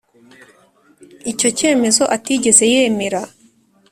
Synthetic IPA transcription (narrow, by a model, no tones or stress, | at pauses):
ico̞ce̞ːme̞zo̞ʔatiːɟe̞ze̞jemeɾa